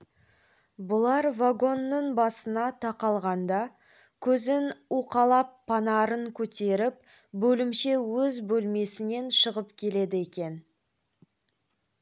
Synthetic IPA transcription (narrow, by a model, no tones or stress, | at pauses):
bʊlˠɑɾvaɡo̞nːəɴbɑsənɑt̪ʰɑqɑlˠʁɑnd̪ɑ | kʲʰɵzɪnuqɑlˠɑpʰːɑnɑɾəŋkʲʰɵt̪e̞ɾɪp̚ | bɵlɪmʃe̞wɵzbɵlme̞sɪne̞nʃəʁəpkʲʰe̞le̞d̪ɪe̞kʲe̞n